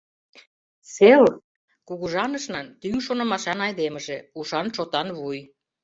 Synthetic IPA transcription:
sel | kuɣuʒɑnəʃnɑnt̪yŋʃonɤ̆mɑʃɑnɑjd̪emə̆ʒĕuʃɑnt͡ʃot̪ɑnβuj

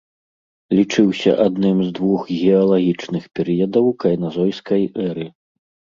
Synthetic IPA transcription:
lʲit͡ʂɨwsʲɐ̰ʔad̪nɨmzd̪vuxɣʲɛɐlˠaɣʲit͡ʂnɨxpʲɛɾɨjɐd̪ɐwkɐjnazɔjskɐjʔɛɾɨ

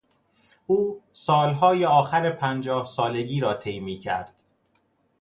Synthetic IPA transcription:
ʔuːsɒːlɦɒːjeɒːxæɾepʰænd͡ʒɒːhsɒːle̞ɡiːɾɒːt̪ʰe̞jmiːcʰæ̰ɾd̪̥

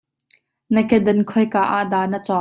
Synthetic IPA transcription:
nəkɛdɐnkʰɔjkaːʔaʔd̪aːnət͡sɔ

